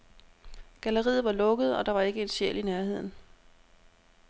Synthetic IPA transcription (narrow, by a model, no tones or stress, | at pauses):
ɡ̥æləʁḭːð̩ˠʋɑ̈lɔ̽ɡ̥əð̞̩ˠɒ̽d̥ɑ̈ʋɑ̈e̝ɡ̥əe̝d̥ɕeɐ̰linæɐɦe̝ð̞̰ˠn̩